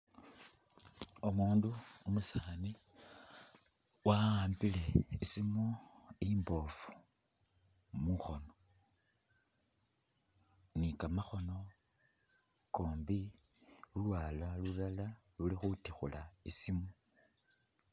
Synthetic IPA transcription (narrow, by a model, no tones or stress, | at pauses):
omuːnduomusani | waaːmbile̞isimoimbo̞fu̥ | muxo̞no | nikamaxo̞no̞ | koːmbi | ulwaːlalulala | lulixutixulaisimo